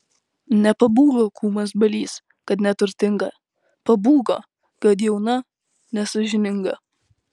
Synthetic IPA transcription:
nʲɛpɐbuːɡˠokʰuːmɐs̬bɐlʲiːs | kɐt̪nʲɛt̪ʊɾʲt̪ʲɪŋɡɐ | pɐbuːɡɐ | kɐt̪jɛʊnɐ | nʲɛsɐʒʲɪnʲɪŋɡɐ

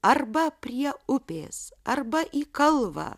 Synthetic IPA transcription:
ɐrbɐpʲɾʲiɛʊpʲḛːsɐrbɐʔiːkɐlˠʋɑ̰ː

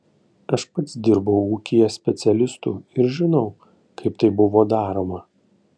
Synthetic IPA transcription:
ɐʃpɐt̪sd̪ʲɪɾbɐʊuːkʲɪjɛsʲpʲɛt̪sʲɛlʲɪst̪ṵːɪɾʒʲɪnɐʊ | kɐɪpt̪ɐɪbʊʋoːd̪ɑːɾoːmɐ

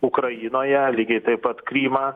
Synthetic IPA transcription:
ʊkɾɐjɪnoːjɛlʲiːɡʲɛɪt̪ɐɪppːɐt̪kɾʲiːmɑː

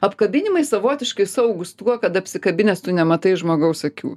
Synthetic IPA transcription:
ɐpkɐbʲɪnʲɪmɐɪsɐʋoːt̪ʲɪʃkɐɪsɐʊɡʊst̪uɔkɐt̪ɐpʲsʲɪkɐbʲɪnʲɛst̪ʊnʲɛmɐt̪ɐɪʒmoːɡɐʊsɐkʲṵː

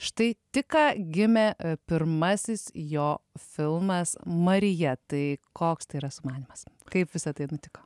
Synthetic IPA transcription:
ʃt̪ɐɪt̪ʲɪkɑːɡʲɪmʲɛpʲɪɾmɐsʲɪsjoːfʲɪlˠmɐsmɐɾʲɪjɛt̪ɐɪkoːkst̪ɐɪiɾɐsʊmɑːnʲɪmɐskɐɪpʋʲɪsɐt̪ɐɪnʊt̪ʲɪkoː

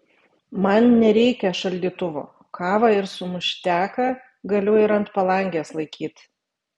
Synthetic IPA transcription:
mɐnnʲɛɾʲɛɪkʲɛʃɐlʲd̪ʲiːt̪ʊʋo̰ː | kʰɑːʋɑɪɾsʊmʊʃʲt̪ʲæːkɐ | ɡɐlʲʊɪɾɐnt̪pɐlˠɐŋʲɡʲeːslˠɐɪkʲiːt̪ʲ

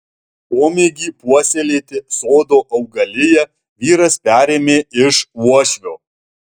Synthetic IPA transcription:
oːmʲeɡʲiːpuɔsʲelʲeːt̪ʲɪsoːd̪oːʔɐʊɡɐlʲɪjɛ | ʋʲiːɾɐspʲæːɾʲeːmʲeːɪʃuɔʃʲʋʲoː

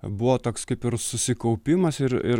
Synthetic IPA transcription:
bʊʋoːt̪oːkskɐɪpɪɾsʊsʲɪkɐʊpʲɪmɐsɪɾɪ̰

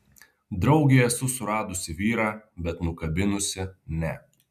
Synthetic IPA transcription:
d̪ɾɒʊɡʲeɛsʊsʊɾɑːd̪ʊsʲɪʋʲiːɾɑːbʲɛt̪nʊkɐbʲɪnʊsʲɪnʲɛ

